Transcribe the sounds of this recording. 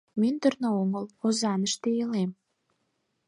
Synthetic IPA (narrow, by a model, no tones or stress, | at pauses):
mynd̪ə̆rnooŋəlozɑnəʃt̪eelem